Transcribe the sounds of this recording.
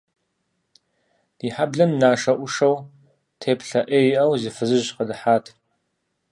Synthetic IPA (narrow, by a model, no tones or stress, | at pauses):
d̥iːħabɮɐmnaːʂɐʔʷʊʂɐw | tʰeːpɬɐʔeːjiʔɐwzɪfɨzɨʒqɐdɨħaːtʰ